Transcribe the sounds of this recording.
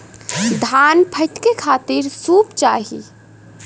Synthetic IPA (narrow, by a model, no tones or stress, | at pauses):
d̪ʱanpʰət̪kekʰaːt̪iɾsupt͡ʃaɦḭ